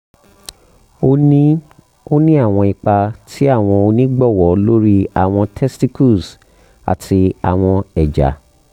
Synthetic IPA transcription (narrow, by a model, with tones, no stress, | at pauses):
o˦nĩ˦ | o˦nĩ˦a˦˨w̃ɔ̃˧i˨k͡pa˧tʰi˦a˦˨w̃ɔ̃˧o˧nĩ˦ɡ͡bɔ˦˨wɔ˨˦lo˦ɾi˦a̰˦˨w̃ɔ̃˧tʰɛ˦sti˦ku˦˨s | a̰˨tʰi˧a̰˨w̃ɔ̃˧ɛ˨d͡ʒa̰˨˦